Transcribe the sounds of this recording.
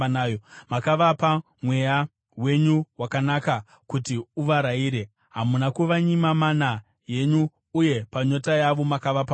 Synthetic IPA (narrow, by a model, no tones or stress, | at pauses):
najomakaʋapa | mwe̞ja | we̞ɲuwakanaka | kutiuʋaɾaiːɾe̞ | ɦamunakuʋaɲimamana | je̞ɲuː | je̞paɲo̞tajaʋo̞makaʋapa